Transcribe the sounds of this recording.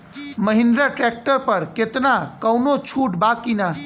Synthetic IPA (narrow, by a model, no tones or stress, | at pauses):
məɦĩnd̪ɾaʈɾɛk̚ʈəɾpəɾket̪nakəwnot͡ʃʰuʈbakina